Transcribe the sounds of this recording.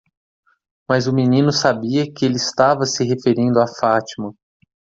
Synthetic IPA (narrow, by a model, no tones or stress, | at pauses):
mɐzʊminĩnʊsabiɐkɪelɪɪst̪avɐsɪɦefeɾĩnd̪ʊafat͡ʃimɐ